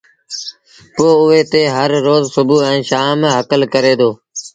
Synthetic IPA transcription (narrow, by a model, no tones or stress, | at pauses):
poːʊeːt̪eːɦəɾːoːzsʊbuːɛ̃ːʃaːmɦəkəlkəɾeːd̪oː